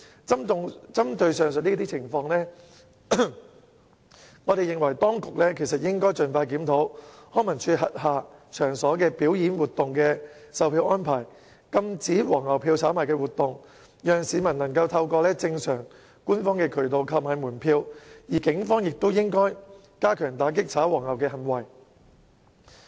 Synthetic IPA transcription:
t͡sɐ˥mt̪ʊ˨ŋt͡sɐ˥mt̪ɵ˧ɥsœː˨ŋsɵ˨t̚niː˥t̪iː˥t͡sʰɪ˨˩ŋfɔː˧ŋlɛː˥ | ŋɔː˨˧ɾe˨jɪ˨ŋwɐ˨˩jt̪ɔː˥ŋkʊ˨k̚lɛː˥kʰe˨˩jsɐ˨t̚jɪ˥ŋkɔː˥jt͡ʃɵ˨nfaː˧jkiː˨˥mt̪ʰo˨˥whɔː˥mɐ˨˩nt͡ʃʰyː˧t̚ɦɐ˨t̚haː˨t͡ʃʰœː˨˩ŋsɔː˨˥kɛː˧piː˨˥wjiː˨˥nwuː˨t̪ːʊ˨ŋkɛː˧ | sɐ˨wpʰiː˧wʔɔː˥npʰaː˨˩j | kɐ˧mt͡siː˨˥wɔː˨˩ŋɐ˨wpʰiː˧wt͡sʰaː˨˥maː˨˩kɛː˧wuː˨˩t̪ʊ˨ŋ | jœː˨ŋsiː˨˧mɐ˨˩nnɐ˨˩ŋkɐ˧wt̪ʰɐ˧wkɔː˧lɛː˥t͡sɪ˧ŋsœː˨˩ŋ | kuː˥nfɔː˥ŋkɛː˧kʰɵ˨˩t̪o˨˧wkʰɐ˧p̚maː˨jmuː˨˩npʰiː˧wjiː˨˩kɪ˨˥ŋfɔː˥ŋjɪ˨k̚t̪o˥wjɪ˥ŋkɔː˥j | kaː˥kʰœː˨˩ŋt̪aː˨˥kɪ˥k̚t͡sʰaː˨˥wɔː˨˩ŋɐ˨˩wkɛː˧hɐ˨˩nwɐ˨˩j

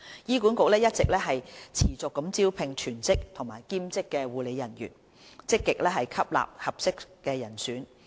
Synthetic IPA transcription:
jiː˥kuː˨˥nkʊ˨k̚lɛː˥jɐ˥t̚t͡sɪ˨k̚lɛː˥ɦɐ˨jt͡sʰiː˨˩t͡sʊ˨kːɐ˨˥mt͡siː˥wpʰɪ˨˧ŋt͡ʃʰyː˨˩nt͡sɪ˥k̚t̪ʰo˨˩ŋmaː˨˩jkiː˥mt͡sɪ˥kːɛː˧wuː˨˧le˨˧jɐ˨˩njy̰˨˩n | t͡sɪ˥kːɪ˨k̚lɛː˥ɦɐ˨jkʰɐ˥p̚la̰ː˨p̚hɐ˨p̚sɪ˥k̚kɛː˧jɐ˨˩nsyː˨˥n

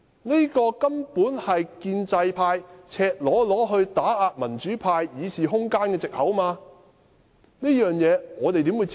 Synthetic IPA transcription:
ne˥kɔː˧kɐ˥mpuː˨˥nhɐ˨jkiː˧nt͡sɐ˧jpʰaː˧jt͡sʰɛː˧k̚lɔː˨˥lɔː˨˥ɦɵ˧ɥt̪aː˨˥aː˨˧t̚mɐ˨˩nt͡ʃyː˨˥pʰaː˧jjiː˨˧siː˨ɦʊ˥ŋkaː˥nkɛː˧t͡sɪ˨k̚hɐ˨˥wmaː˧ | ne˥jœː˨ŋjɛː˨˧ŋɔː˨˧t̪e˨jt̪̬i˨˥mwu˨˧˥

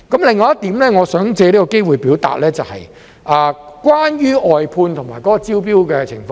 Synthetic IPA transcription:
kɐ˨˥mlɪ˨ŋːɔː˧jɐ˥t̪iː˨˥mlɛː˥ŋɔː˨˧sœː˨˥ŋt͡sɛː˧li˥kɔ˧ke˥jwuː˨jpiː˨˥wt̪a̰ː˨t̚lɛː˥t͡sɐ˨whɐ̰˨j | ʔaː˨kwaː˥njyː˥ɔː˨jpʰuː˧nt̪ʰʊ˨˩ŋmaː˨˩jkɔ˨˦˥kɔː˧t͡si˥wpiː˥wkɛː˧t͡sʰɪ˨˩ŋfɔː˧

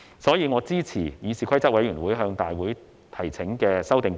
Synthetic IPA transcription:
sɔː˨˥jiː˨˧ŋɔː˨˧t͡siː˥t͡sʰiː˨˩jiː˨˧siː˨kʷʰɐ˥jt͡sɐ˥wɐ˨˥jyː˨˩nwuː˨˥jɦœː˧ŋt̪aː˨jwuː˨˥j | t̪ʰɐ˨˩jt͡sʰɪ˨˥ŋkɛː˧sɐ˥wt̪ɪ˨ŋ

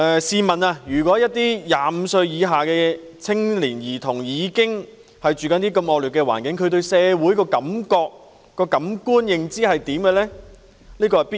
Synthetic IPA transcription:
ɛː˨siː˨˧mɐ˨na˧jyː˨˩kʷɔː˨˥jɐ˥t̚t̪iː˥jaː˨m̩˨˧sɵ˧ɥjiː˨˧ɦaː˨kɛː˧ | t͡sʰɪ˥ŋliː˨˩njiː˨˩t̪ʰʊ˨˩ŋjiː˨˧kɪ˥ŋ | hɐ˨jt͡ʃyː˨kɐ˨˥nt̪iː˥kɐ˧mɔː˨˧k̚lyː˨t̚kːɛː˧wa̰ː˨˩nkɪ˨˥ŋkʰɵ˧ɥt̪ɵ˧ɥsɛː˨˧wuː˨˥jkɔː˧kɐ˨˥mkɔː˧k̚ | kɔː˧kɐ˨˥mkuː˥njɪ˨ŋt͡siː˥ɦɐ˨jt̪iː˨˥mkɛ˧lɛː˥ | liː˥kɔ˧ɐ˨jpi˥

